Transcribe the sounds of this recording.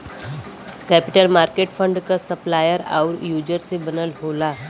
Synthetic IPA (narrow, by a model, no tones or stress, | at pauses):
kɛːpɪʈəlmaːɾkeːʈfʰə̃ɳɖkasɐplaːjəɾa̰ʊɾjuːd͡ʒəɾsebɐnəlɦoːlaː